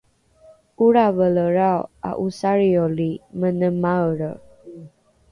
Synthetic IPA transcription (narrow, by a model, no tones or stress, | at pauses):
uɾavələɾawa̰ʔusaɾijolimənəmaɾə̰